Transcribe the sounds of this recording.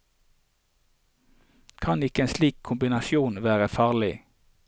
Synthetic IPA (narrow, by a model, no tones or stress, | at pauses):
kʰɑnɪkəeːnsliːkʰʊmbɪnɑsjuːnʋæːʁəfɑːʁlɪ